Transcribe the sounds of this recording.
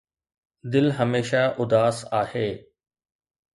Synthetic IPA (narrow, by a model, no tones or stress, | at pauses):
d̪ɪlɦɐmeːʃaʔʊd̪aːsaːheː